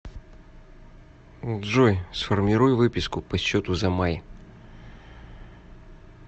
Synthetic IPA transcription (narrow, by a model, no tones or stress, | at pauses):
d̪ʐojsfərmʲɪɾujvɨpʲɪskʊpɐɕːot̪ʊzɐmaj